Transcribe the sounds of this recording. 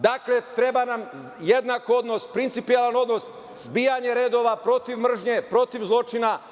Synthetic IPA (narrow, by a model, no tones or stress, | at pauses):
d̪akle̞t̪ɾe̞banam | jed̪nakoo̞d̪no̞spɾint̪sipijelˠano̞d̪no̞s | zbiːjaɲe̞ɾe̞d̪o̞ʋapɾo̞t̪iʋmr̩ʒɲe̞pɾo̞t̪iʋzlˠo̞t͡ʃina